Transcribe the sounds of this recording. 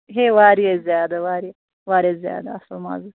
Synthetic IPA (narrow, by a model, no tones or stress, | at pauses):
ɦeʋaːɾijezjaːd̪ɐwaːɾie | waːɾezja̰ːd̪ɐɐslma̰zu